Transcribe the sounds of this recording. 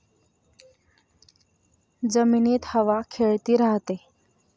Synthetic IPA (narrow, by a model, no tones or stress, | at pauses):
d͡zəmiːneːt̪həʋakʰeɭt̪iːɾaɦt̪e